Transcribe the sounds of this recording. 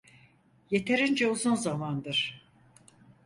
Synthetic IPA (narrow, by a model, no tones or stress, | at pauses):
je̞t̪ʰe̞ɾind͡ʒɛuzunzamand̪ɯɾ̥